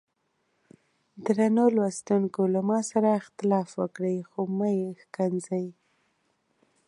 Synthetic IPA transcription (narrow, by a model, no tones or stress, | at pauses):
d̪ɾanolwast̪uŋkolamɑsaɾaɪxt̪ɪlɑfwəkɽəjxomɑjexkanzaj